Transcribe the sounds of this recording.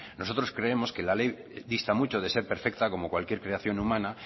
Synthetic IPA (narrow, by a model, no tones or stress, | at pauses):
no̞so̞t̪ɾo̞skɾe̞e̞mo̞skelalej | ðist̪amut͡ʃo̞ð̞e̞se̞ɾpe̞ɾfe̞k̚t̪ako̞mo̞kwalkje̞ɾkɾe̞aθjo̞numãna